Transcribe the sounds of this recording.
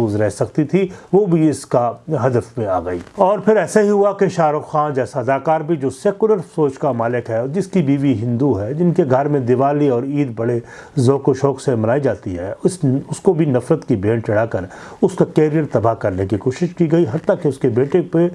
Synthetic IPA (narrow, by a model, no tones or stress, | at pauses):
uːzɾɛɦsɐk̚t̪it̪ʰiʋoːbʱiɪskaɦɐd̪əfmẽa̰ːɡɐiːɔːɾpʰɪɾɛːsaɦiɦuakeʃaːɾoxaːd͡ʒɛːsaɐd̪aːkaːɾbʱid͡ʒoːsɛːkʊləɾfsoːt͡ʃkamaːlɪkɦɛd͡ʒɪskibiːʋiɦɪ̃nd̪uɦɛːd͡ʒɪnkeɡʱɐɾmẽd̪ɪʋaːliɔːɾiːd̪bɐɽe | zoːkoʃɔːksemɐnaːid͡ʒaːt̪iɦɛːsʊskobʱinɐfɾət̪kibeːɳt͡ʃɐɽaːkɐɾʊskakɛːɾijəɾt̪ɐbaɦkɐɾnekikoːʃɪʃkiɡɐiɦɐt̪ːakeʊskebeːʈepe